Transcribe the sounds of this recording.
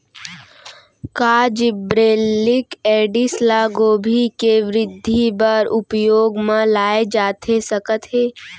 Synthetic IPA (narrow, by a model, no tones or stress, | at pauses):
kaːd͡ʒɪbɾeːlɪkeːɖɪslaɡoːbʱikeʋɾɪd̪ʱːibəɾʊpjoːɡmãlaːed͡ʒaːt̪esəkət̪ɦeː